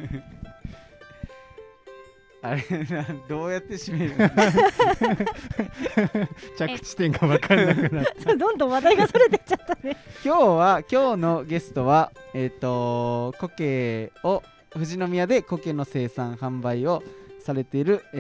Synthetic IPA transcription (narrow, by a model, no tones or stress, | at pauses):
aɾead̪o̞ːjat̪ːe̞ɕimaiɾɯ | t͡ɕakɯ̟̥t͡ɕi̥t̪ẽŋɡaβakaɾnakɯnasod̪õnd̪õβad̪aiɡasoɾet̪e̥t͡ɕat̪ːanekʲo̞ːβakʲo̞ːno̞ɡe̞sɨ̥t̪o̞βaet̪ːo̞ko̞keːo | ɸɯ̟ʑino̞mʲijad̪e̞ko̞ke̞no̞se̞ːsãɰ̃hãmbaio̞saɾe̞t̪e̞iɾɯ̟